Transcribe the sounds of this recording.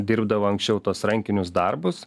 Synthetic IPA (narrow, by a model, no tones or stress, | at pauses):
d̪ʲɪɾbd̪ɐʋoːɐŋksʲt͡ʃʲɛʊt̪uɔsɾɐŋʲkʲɪnʲʊsd̪ɐɾbʊs